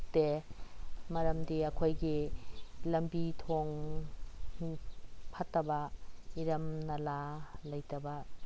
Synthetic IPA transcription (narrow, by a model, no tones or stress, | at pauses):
te | mɐɾɐmdiɐkʰojɡi | lɐmbitʰoŋ | pʰɐtːɐbɐiɾɐmnɐlalɐjtɐbɐ